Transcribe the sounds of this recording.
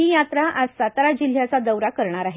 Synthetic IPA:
ijat̪ɾaʔasat̪ɾad͡ʑil̤ːjat͡sad̪əwɾakəɾɳ̃aɾaɦe

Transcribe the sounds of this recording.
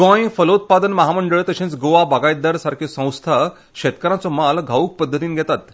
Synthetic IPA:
ɡɔ̃jfəlut̪̚pad̪ənməɦaməɳɖəɭt̪əɕẽnt͡sɡoʋabaɡajd̪əɾsaɾkʰisə̃w̃st̪ʰa | ɕet̪kəɾãt͡sɔmalɡʱauk̚pəd̪ʱːət̪iːnɡʱɛt̪at̪

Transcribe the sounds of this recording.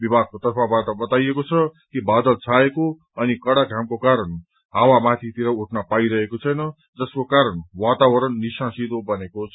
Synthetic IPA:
bibʱakot̪ʌrpʰabaʈʌbʌt̪ajekot͡sʰʌkibad̪ʌlt͡sʰaeko | ʌnikʌɽaɡʱamkokaɾʌn | ɦawamat̪ʰit̪iɾʌuʈnʌpaiɾʌɦekot͡sʰʌjnʌ | d͡zʌskokaɾʌnwat̪awʌɾʌnːisãsid̪obʌnekot͡sʰ

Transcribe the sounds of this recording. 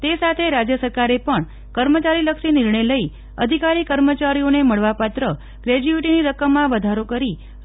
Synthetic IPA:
t̪esat̪ʰeɾad͡ʒjəsəɾkaɾepəɳ | kəɾmət͡ʃaɾiləkʃinɪɾɳəjləi | əd̪ʱikaɾikəɾmət͡ʃaɾioneməɭʋapat̪ɾə | ɡ̥ɾed͡ʒuiʈiniɾəkəmːãʋəd̪ʱaɾokəɾi

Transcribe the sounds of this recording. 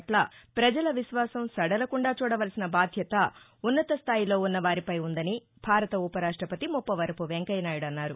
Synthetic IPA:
ʈlaːpɾɐd͡ʒɐlɐʋiʃʋaːsɐmsɐɽɐlɐkuɳɖaːt͡ʃuːɽɐʋɐlsinɐbaːd̪ʱjɐt̪ɐ | unːɐt̪ɐst̪ʰaːjilo̞ːunːɐʋaːɾipɐjund̪ɐni | bʱaːɾɐt̪ɐupɐɾaːʂʈɾɐpɐt̪imupːɐʋɐɾɐpuʋeŋkɐjnaːjuɽɐnːaːɾu

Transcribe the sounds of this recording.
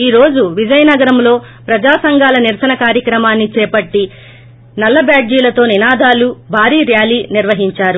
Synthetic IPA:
iːɾo̞ːd͡ʒuʋid͡ʒɐjɐnɐɡɐɾɐmlo̞ː | pɾɐd͡ʒaːsɐŋɡʱaːlɐniɾsɐnɐkaːɾjɐkɾɐmaːnːit͡ʃɛːpɐʈːi | nɐlːɐbjaːɖd͡ʒiːlɐt̪o̞ːninaːd̪aːlubʱaːɾiːɾjaːliːniɾʋɐɦiɲt͡ʃaːɾu

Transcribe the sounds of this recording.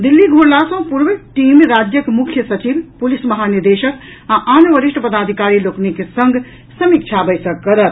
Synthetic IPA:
d̪ilːiɡʱoɾlasə̃puɾbʈimɾad͡ʒjəkemukʰjəsət͡ʃibpulisməɦaniɾd̪eʃək | aʔanʋəɾiʃʈəpəd̪ad̪ʱikaɾiloknekesəŋɡʱ | səmik̚t͡ʃʰabəjsəkːəɾət̪̚

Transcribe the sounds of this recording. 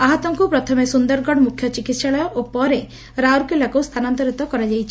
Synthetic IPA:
aɦɔt̪ɔŋkupɾɔt̪ʰɔmesund̪ɔɾɡɔɽmukʰːjɔt͡ʃikit̪ʃaɭɔjɔʔupɔɾe | ɾawɾkelakuwst̪ʰanant̪ɔɾit̪ɔkɔɾad͡ʒajt͡ʃʰi

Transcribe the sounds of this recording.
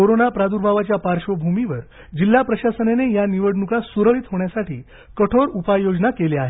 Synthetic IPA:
koɾonapɾad̪uɾbʱaʋat͡ɕjapaɾʂʋəbʱumiʋəɾ | d͡ʑilːapɾəɕasənenejaniʋəɽnukasuɾəɭit̪ɦoɳjasaʈḭː | kəʈʰoɾupajjod͡znakeleaɦe

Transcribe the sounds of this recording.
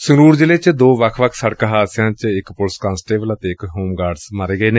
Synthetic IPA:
sʊɾuːɾd͡ʒɪleːt͡ʃd̪oːʋəkʰʋəkʰsəɽkəɦaːsɪjãːt͡ʃɪkpʊlskãːnsʈeːʋələt̪eːɪkɦoːmɡaːɖsməɾeːɡəeːne

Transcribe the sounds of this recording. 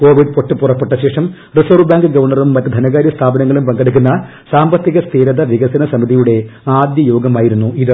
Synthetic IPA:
ko̞ːʋiɖ̚po̞ʈːɨpurɐpːe̞ʈːɐɕe̞ːʂɐm | risoːrbaːŋɡɨɡɐʋɐrɳɐrumːɐtːɨd̪ʱɐnɐɣaːɾjɐst̪ʰaːbɐnɐŋːɐɭumpɐŋɡɐɽuk̬ʲːunːɐ | saːmbɐt̪ːiɣɐst̪ʰiːɾɐðɐʋiɣɐsɐnɐsɐmiðijuɽe̞aːd̪jɐjo̞ːɡɐmaːjiɾunːuiðɨ

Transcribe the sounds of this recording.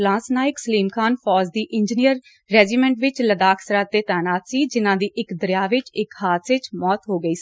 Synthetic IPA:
lãːsnaːɪksəliːmkʰaːnpʰɔːzd̪iːʔɪ̃ɲd͡ʒnijəɾː | ɛːd͡ʒiːmɛ̃ːɳʈʋɪt͡ʃləd̪aːkʰsəɾaːt̪eːt̪ɛːnaːt̪siːd͡ʒɪnãːd̪iːʔɪkd̪əɾɪjaːʋɪt͡ʃɪkhaːt̪ʰɪt͡ʃmɔːt̪ɦoːɡəiːsi

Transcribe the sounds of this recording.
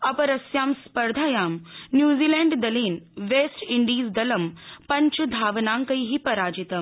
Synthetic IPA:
ɐpɐɾɐsjaːmspɐɾd̪ʱaːjaːmnjuːziːlɛːɳɖd̪ɐliːnʋeːsʈiɳɖiːzd̪ɐlɐmpɐɲt͡ʃud̪ʱaːʋnaːŋkɐjɦipɐɾaːd͡ʒit̪ɐm

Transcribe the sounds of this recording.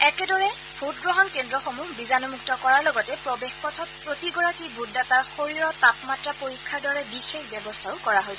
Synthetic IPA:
ɛkɛdɔɹɛ | bʱutɡɹɔɦɔnkendɹɔxomubizanɔmuk̚tɔkɔɹaɹlɔɡɔtɛpɹɔbexpɔtʰɔt̚pɹotiɡɔɹakibudːataɹxoɹiɹɔtapmatɹapoɹikʰːaɹdɔɹɛbixexbjɛbɔstʰaʊkɔɹaɦojsɛ

